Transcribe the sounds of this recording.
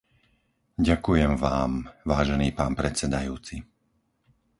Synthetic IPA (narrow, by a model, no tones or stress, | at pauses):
ɟakujɛmʋaːmʋaːʒɛniːpaːnpɾɛt͡sɛd̪ajuːt͡si